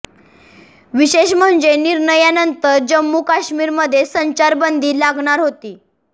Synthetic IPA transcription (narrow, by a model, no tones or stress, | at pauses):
ʋiɕeɕm̤əɳd͡zeniɾɳəjanənt̪əɾd͡ʑəmːukaɕmiːɾməd̪ʱːjesəɲt͡ɕaɾbənd̪ʱiːlaɡɳ̃aɾɦot̪iː